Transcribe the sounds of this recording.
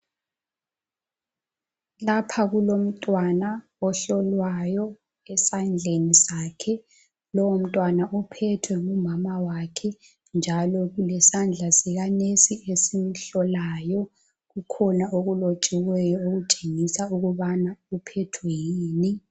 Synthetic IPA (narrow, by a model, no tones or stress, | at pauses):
lapʰaɣulom̩tʼwana | ɔɬɔlwajɔ | ɛsand͡ɮʱenisaːkʰɛ | lɔom̩tʼwanaʔupʰɛtʰwɛŋumamawakʰɛ | nd͡ʒʱalɔɣulɛsand͡ɮʱasɛɣanesiʔesim̩ɬɔlajɔ | ɣukʰɔnaʔoɣulot͡ʃʼiwɛjɔoɣut͡ʃʼeŋisauɣuβanaupʰɛtʰwejiːni